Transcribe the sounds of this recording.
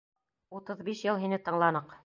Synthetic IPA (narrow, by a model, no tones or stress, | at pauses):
ut̪ɤðbiʃjɤlˠɦinɘt̪ɤ̆ɴlˠɑnɤq